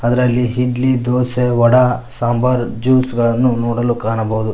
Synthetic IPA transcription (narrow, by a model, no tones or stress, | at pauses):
ɐd̪ɐɾɐlːiɦiɖlid̪oːseʋɐɽɐsaːmbɐɾd͡ʒuːsɡɐɭɐnːunoːɽɐlukːaːɳɐbɐɦud̪u